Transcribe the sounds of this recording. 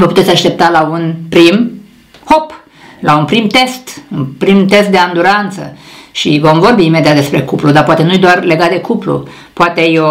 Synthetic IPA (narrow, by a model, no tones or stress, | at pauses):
vəput̪esʲaʃt̪ep̚t̪alaunpɾim | ho̞p | launpɾimt̪e̞st̪unpɾimt̪e̞st̪̚d̪e̞and̪uɾant̪sə̰ʃivo̞mvo̞rbiːme̞d̪ijat̪d̪espɾe̞kuplud̪apoat̪e̞nujd̪oarle̞ɡat̪̚d̪e̞kuplṵ | poat̪ejo